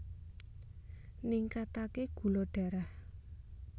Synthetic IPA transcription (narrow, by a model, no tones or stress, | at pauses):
niŋkat̪akeɡ̥ṳloɖ̥a̤ɾah